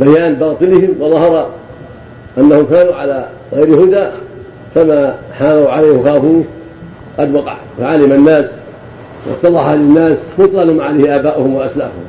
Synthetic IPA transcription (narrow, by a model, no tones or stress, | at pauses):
bajaːnbɑːt̪ˤɨlɪhɪmwɑðˤɑhɑɾˤɑ | ʔanːahʊmkaːnuːʕala | ɣajɾhʊd̪aː | famaːħaːnawʕalajhwaxaːfuːn | qɑd̪wɑqɑ̰ʕ | faʕalɪmanːaːs | wɪ̰st̪ːɑlɑalɪnːaːsmʊt̪ˤlɑlamaʕalajhɪʔaːbaːʔʊhʊmwaʔasla̰ːʊhʊ̰m